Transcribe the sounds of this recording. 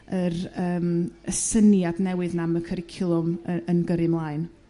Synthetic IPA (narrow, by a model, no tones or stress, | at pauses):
ərəːməsənjadnɛwɨðnaməkʰəɾɪkʰɪlˠʊməənɡəɾɨmlˠaɨn